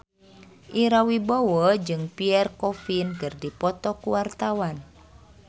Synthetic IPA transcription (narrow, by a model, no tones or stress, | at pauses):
ʔiɾawibɔwɔd͡ʒɨŋpiɛrkɔfinkɨrdipɔt̪ɔkuwart̪awan